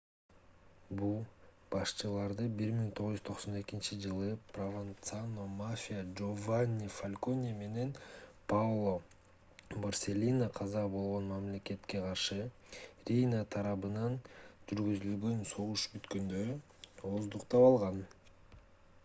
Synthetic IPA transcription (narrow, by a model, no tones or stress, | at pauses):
bulˠ | b̥ɑʃt͡ʃɯlˠɑɾd̪ɯbiɾmiŋt̪ʰoʁuzyzt̪ʰo̞qso̞ne̞kint͡ʃid͡ʒɯlˠɯprovant̪sanomafʲijad͡ʒovanʲːifalʲko̞nʲime̞ne̞npavlˠo | borsʲe̞lʲinaqʰɑzɑbo̞lˠʁo̞nmamlʲe̞ke̞t̪ke̞qʰɑɾʃɯ | ɾʲijnat̪ʰɑɾɑβɯnɑnd͡ʒyɾɡyzylɡø̞nso̞ʁuʃbyt̪kø̞nd̪ø̞ɾy | ozd̪uqt̪ɑpɑlˠʁɑn